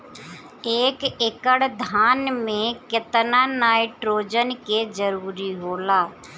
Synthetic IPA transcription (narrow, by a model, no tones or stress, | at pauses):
eːkekəɽd̪ʱaːnmẽkɪt̪nanaːɪʈɾoːd͡ʒənked͡ʒəɾuːɾiɦoːlaː